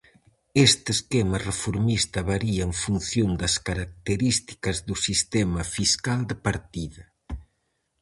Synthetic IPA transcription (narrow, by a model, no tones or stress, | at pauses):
est̪eskɛmɐrefoɾmist̪ɐβaɾiɐeɱfun̟θjond̪ɐskaɾak̚t̪eɾist̪i̥kɐzðusist̪ɛmɐfiskald̪ɪpaɾt̪iðɐ